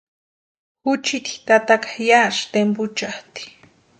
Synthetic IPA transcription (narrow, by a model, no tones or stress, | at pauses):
xʊt͡ʃit̪i̥t̪at̪akḁjaʂt̪empʊt͡ʃaht̪i̥